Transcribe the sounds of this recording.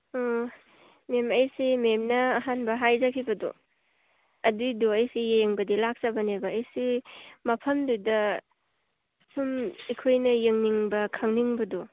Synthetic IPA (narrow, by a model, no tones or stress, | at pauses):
o | memɐjsimemnɐːɦanbɐɦajzakʰibɐdɔ̰ | ɐdudoɐjsijeŋbɐdilak̚sɐbɐnebɐːjsimɐpʰɐmdujdɐ | sumikʰojnɐjeŋniŋbɐkʰaŋniŋbɐdo